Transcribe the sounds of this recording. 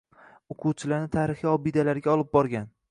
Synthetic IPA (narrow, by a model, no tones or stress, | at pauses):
ʊqʰʊwt͡ʃʰɪlaɾnɪt̪ʰaːɾɪχiɒbid̪alaɾɡʲaɒlˠɪp̚bɒɾɡʲan